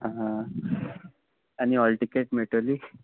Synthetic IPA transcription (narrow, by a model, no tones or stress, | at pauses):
ɦaɦã | añiɔlʈikeʈmeʈoliː